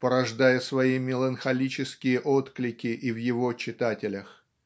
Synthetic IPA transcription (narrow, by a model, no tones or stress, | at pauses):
pəɾɐʐd̪ajəsvɐimʲɪlˠənxɐlʲit͡ɕɪskʲɪjəʔot̪klʲɪkʲɪʔivjɪvot͡ɕɪt̪atʲɪlʲəx